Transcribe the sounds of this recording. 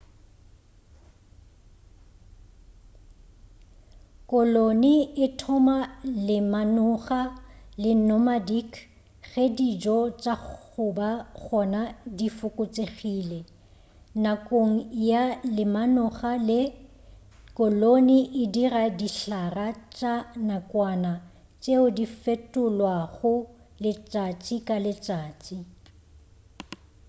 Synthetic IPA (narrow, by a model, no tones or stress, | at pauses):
kʼɔloniɪtʰɔmalɪmanʊχalɪnɔmadikʰ | ɣedid͡ʒɔt͡ʃʼaχʊbaɣɔnadifʊkʼʊt͡sʼeχiːlɛ | nakʼoŋ̩jalɪmanʊχalɪ | kʼɔloniʔɪdiradiɬarat͡ʃʼanakʼwana | t͡ʃʼeʊdifetʼʊlwaɣʊ | lɪt͡sʼat͡sʼikʼalɪt͡sʼaːt͡sʼi